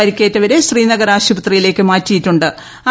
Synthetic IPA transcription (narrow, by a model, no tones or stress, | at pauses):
ɐɾikʲːe̞ːtːɐʋɐɾeɕriːnɐɣɐɾaːɕubɐt̪rijile̞ːkːɨmaːtːijitːuɳɖɨ | a